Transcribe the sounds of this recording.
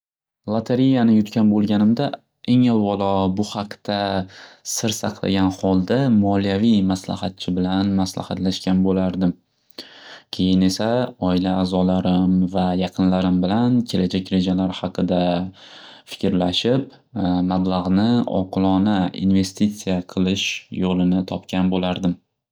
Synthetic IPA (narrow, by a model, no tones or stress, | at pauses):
lˠat̪ʰaɾijanɪjʊt̪kʲʰanbolˠɡʲanɪmd̪a | eŋalˠvɒlˠɒbʊhɑqt̪asɪɾsɑqlˠa̰ɡʲanχɒlˠd̪amɒlijavijmasla̰hat̪̚t͡ʃʰɪbɪlanmasla̰ha̰t̪laʃkʲanbolaɾd̪ɪm | kʲʰe̞jɪne̞saɒɪlaːzɒlaɾɪmvajɑqʰɨnlaɾɪmbɪlankʲʰe̞lad͡ʒakʲɾe̞d͡ʒalaɾhɑqʰɨd̪a | fɪ̥kʲɾlaʃɪp | mablaʁnɪɒ̰qʰɨlˠɒnaḭnve̞st̪it̪sːijaqʰɨlˠɪʃjolˠɪnɪt̪ʰɒpkʲʰanbolaɾd̪ɪm